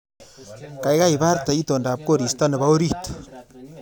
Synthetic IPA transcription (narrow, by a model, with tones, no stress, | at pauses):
ka˨jɣa˦i˨ba˦rt̪a˨i˦t̪o˨nda˨p̚ko˦ɾi˨st̪a˦nɪ˨ba˦o˦ɾi˦t̪